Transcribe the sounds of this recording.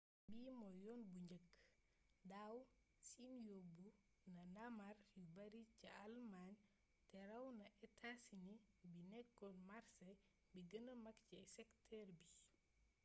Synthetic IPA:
biːmɔjɔːnbuɲd͡ʒəkː | daw | sinjobu | nɐnamarjubɐɾicɐalman | tɛɾɐwnɐʔɛtʰasinibinɛkːɔnmaɾsɛ | biɡənəmɐkcɛsɛktʰɛɾbi

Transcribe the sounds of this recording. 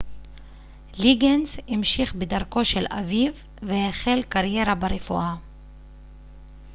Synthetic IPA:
liɡensimʃiχbedaʁko̞ʃela̰vivː | eheχe̞lkaʁje̞ʁabaʁefṵʔa

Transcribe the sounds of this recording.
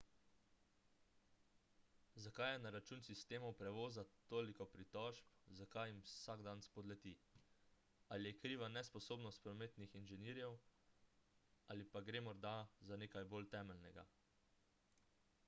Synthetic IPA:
zakajɛnaɾat͡ʃuːnsist̪eːmɔwpɾɛʋoːzat̪oːlikɔpɾit̪ɔʒpzakajimsaɡd̪anspɔd̪lɛt̪i | alijɛkɾiːʋanɛspɔsoːbnɔst̪̚pɾɔmeːt̪nixinʒɛniːɾjɛw | alipaɡɾeːmɔɾd̪azaneːkajboːlt̪ɛːmɛlnɛɡa̰

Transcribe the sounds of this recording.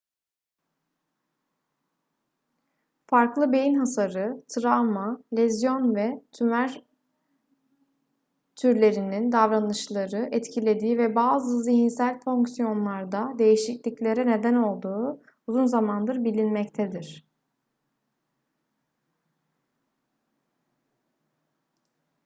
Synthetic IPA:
faɾklˠɯbe̞jinɦasaɾɯt̪ʰɾamalʲɛzjo̞nvɛt̪ʰymæɾ | t̪ʰyɾlʲe̞ɾinind̪avɾanɯʃlˠaɾɯʔɛt̪cʰilʲe̞d̪iːvɛbaːzɯziɦinsælʲfo̞ŋksijo̞nlˠaɾd̪ad̪e̞jiʃiclʲiclʲe̞ɾɛne̞d̪æno̞lˠd̪uː | buzunzamand̪ɯɾbilʲinmɛct̪ʰɛd̪iɾ̥

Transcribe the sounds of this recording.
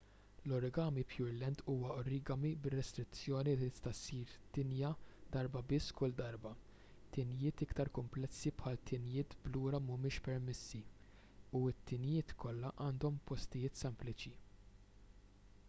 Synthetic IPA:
lɔɾɛɡɐːmipʰjʊɾlɛnt̪ʰuːwɐɔɾɪɡɐmibɪrːɛst̪ɾɪt͡sːjɔːnit̪ɪst̪ɐsːiːɾt̪ɪnjɐd̪̥ɐɾbɐbɪsːkʊld̪ɐɾbɐ | t̪ɪnjɪːt̪ɪkt̪ɐɾkʊmplɛsːipħɐːlt̪ʰɪnjɪːt̪bluːɾɐmʊmɪːʃpɛɾmɛsːi | uɪt̪ːɪnjɪːt̪kʰɔlːɐʔɐːnd̪ɔmpɔst̪ɪjɪːt̪sɛmplɪt͡ʃi

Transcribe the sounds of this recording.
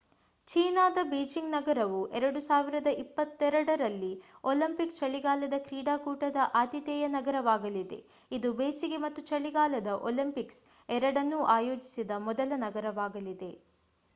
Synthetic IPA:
t͡ʃiːnaːd̪ɐbeːd͡ʒiŋɡnɐɡɐɾɐʋuʔɛɾɐɽusaːʋiɾɐd̪ɐʔipːɐt̪ːɛɾɐɽɐɾɐlːioːlimpikst͡ʃɐɭiɡaːlɐd̪ɐkɾiːɽaːkuːʈɐd̪ɐʔaːd̪it̪ɛːjɐnɐɡɐɾɐʋaːɡɐlid̪e̞̰ | id̪ubeːsiɡe̞mɐt̪ːut͡ʃɐɭiɡaːlɐd̪ɐʔo̰limpiks | ɛɾɐɽɐnːuʔaːjo̞ːd͡ʒisid̪ɐmɔd̪ɐlɐnɐɡɐɾɐʋaːɡɐlid̪e̞

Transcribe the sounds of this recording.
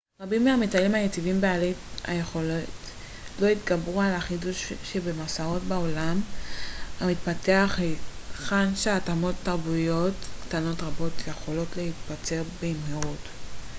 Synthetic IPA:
ʁabimːeamitalimhajet͡sivimbealea̰je̞χo̞lot | lo̞it̪ɡabʁualaχiduʃʃebemasao̞tbao̞lam | amit̪pateaχeχanʃeatamo̞t̪ːaʁbujo̞tktano̞tʁabo̞tʰje̞χo̞lo̞tlehit̪pat͡se̞ʁbeimheʁut

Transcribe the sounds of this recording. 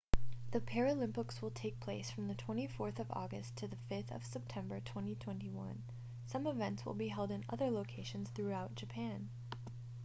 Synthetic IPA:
ðɨpʰɛɹɨlɪ̃mpəkswəlˠtʰeɪk̚pʰl̥eɪsfɹʌ̃mðɨtʰw̥ɛ̃ɾ̃ifɔɹθʌvɔ̰ɡɨstʰɨðɨfɪθʌ̰v̥sɛp̚tʰɛ̃mbə˞tʰw̥ɛ̃ñitʰw̥ɛ̃ntiwʌ̰̃n | sʌ̃mɨvɛ̃ntswə̰lˠbiɦɛlˠdɨ̃nʌ̰ðə˞loʊkʰeɪʃɨ̃nz̥θɹʉaʊt̚d̥ʒ̥ɨpʰæ̃n

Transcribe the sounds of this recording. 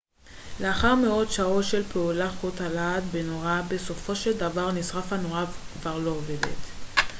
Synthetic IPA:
le̞aχaʁmeo̞dʃao̞tʃe̞lpeulaχotalad̪benoʁabe̞so̞fo̞ʃe̞ld̪avaʁnisʁafano̞ʁavkvaʁlo̞ove̞de̞̰t̪

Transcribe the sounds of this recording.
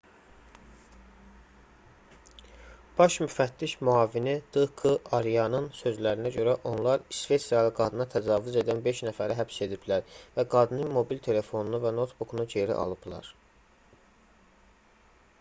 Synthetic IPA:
b̥ɑʃmyfæt̪ːiʃmyɑːvinid̪̥ɯkʰɯɑɾijɑnɯnsø̞zlæɾinæɟø̞ɾæʔo̞nlˠɑɾsve̞t̪sijɑlˠɯɡɑd̪ɯnɑt̪ʰæzɑːvyze̞d̪ænbe̞ʃnæfæɾiɦæpse̞d̪iblæɾvæɡɑd̪ɯnɯnmo̞bilt̪ʰe̞le̞fo̞nunuvæno̞t̪bukʰunud͡ʒeɾḭʔɑ̰lˠɯb̥lˠɑ̰ɾ

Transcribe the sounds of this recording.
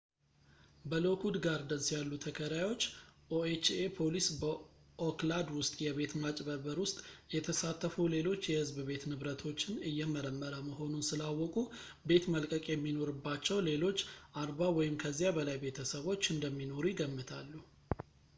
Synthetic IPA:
bəlokʰud̪ɡaɾd̪ənsjalːut̪ʰəkʰəɾajo̞t͡ʃːʔoet͡ʃepʰo̞lisbə | ʔoklad̪wʊst̪ʼjɛβe̞t̪mat͡ʃʼbəbəɾwʊst̪ʼjɛt̪ʰəsat̪ʰːəfule̞lo̞t͡ʃːjɛhɨzbɨbe̞t̪nɨβɾət̪ʰo̞t͡ʃːɪnɨjːɛməɾəmːəɾəməɦo̞nunsɨlawːɔkʼu | be̞t̪məlkʼəkʼjɛmːino̞ɾɨbːat͡ʃːɛwle̞lo̞t͡ʃːʔaɾbawɔjɪmkʰəzːijabəlajbe̞t̪ʰəsəβo̞t͡ʃːɨnd̪əmːino̞ɾujɪɡəmːɨt̪ʰalːu

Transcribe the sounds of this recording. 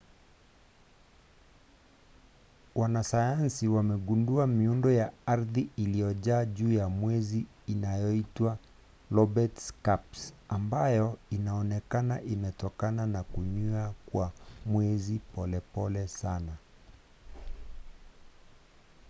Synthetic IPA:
wanasajansiwamɛɠunduamiundɔjaaɾðiilijɔʄaːʄuːjamwɛziː | najɔitwa | lɔbɛtskapsambajɔinaɔnɛkanaʔimɛtɔkananakuɲuakwamwɛzipɔlɛpɔlɛsana

